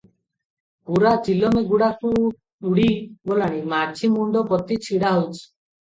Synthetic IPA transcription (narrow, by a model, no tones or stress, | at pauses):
puɾat͡ʃilɔmeɡuɽaku | uɽiɡolaɽ̃imat͡ʃʰimuɳɖɔpɔt̪it͡ʃʰiɽaɦowt͡ʃʰi̥